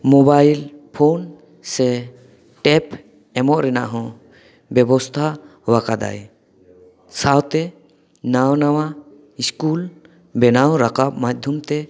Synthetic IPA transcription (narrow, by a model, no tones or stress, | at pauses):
mɔbajlpʰon | sɛ | ʈɛp | ɛmɔʔɾɛna̰ʔɦɔ̃ | bɛbɔst̪ʰawakad̪a̰j | sawt̪ɛ | nawnawa | iskul | bɛnawɾakap̚mac̚d̪ʱumt̪ɛ